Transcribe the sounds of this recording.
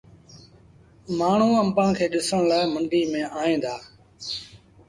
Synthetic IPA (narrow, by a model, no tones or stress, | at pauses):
maːɳ̤ũːəmpãːkʰeːɗɪsəɽ̃laːɪməɳɖiːmẽːaːẽːnd̪aː